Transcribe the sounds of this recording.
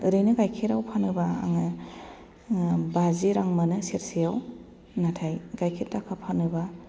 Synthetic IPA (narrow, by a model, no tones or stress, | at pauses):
ɯɾɯjnɯɡajkʰeɾawpʰanɯba̰ːŋɯ | baziɾaŋmanɯsiɾsijaw | natʰajɡ̥ajkʰet̚dakʰapʰanɯba